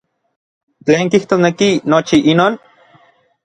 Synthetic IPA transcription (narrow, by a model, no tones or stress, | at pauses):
t͡ɬeːŋkiht̪osnekinot͡ʃiʔinoːn